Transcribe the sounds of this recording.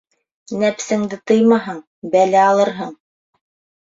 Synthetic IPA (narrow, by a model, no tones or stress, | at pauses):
næpsɘ̆ŋd̪ɘt̪ɤjmɑɦɤɴ | bælæɑlˠɤɾɦɤɴ